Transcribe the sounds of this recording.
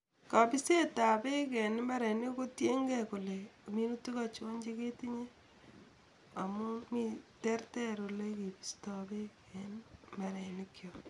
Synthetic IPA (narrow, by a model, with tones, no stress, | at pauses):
ka˨bi˦se˦ta˨be˦kɛ˨n˦ma˦ɾe˨ni˦ko˦tje˦ŋɡɛ˦ku˨le˨mi˦nu˦tu˦ka˨t͡ʃo˦ɲd͡ʒe˦ke˦ti˦ɲe˦ | a˨mu˦mi˦tɛ˦rtɛ˦ɾo˨le˦ke˨bi˨sta˨be˦kɛ˨nma˨ɾe˨nikjo˨